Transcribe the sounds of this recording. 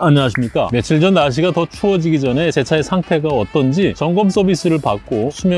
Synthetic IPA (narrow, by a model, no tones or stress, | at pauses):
aɲiaɕʰimɲik͈a̰me̞t͡ɕʰiɭd͡ʑʌnːaɕ̬ʰiɡatʌt͡ɕʰuʌd͡ʑiɡid͡ʑʌne̞t͡ɕe̞t͡ɕʰaesʰaŋtʰe̞ɡaʌt͈ʌnd͡ʑit͡ɕʌŋɡʌms͈ʌbis͈ɯɾɯɭpak̚k͈ot͡ɕʰimjʌ